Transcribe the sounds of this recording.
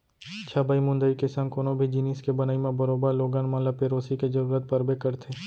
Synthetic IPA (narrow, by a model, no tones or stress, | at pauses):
t͡ʃʰaːbʱaimʊ̃nd̪əikesɐ̃nkoːnõbʱid͡ʒiːniːskebɐnaːimẽbɐɾoːbəɾloːɡãːnmãːlapeːɾoːsikezɐɾuːɾət̪̚pɐɾbekɐɾt̪ʰeː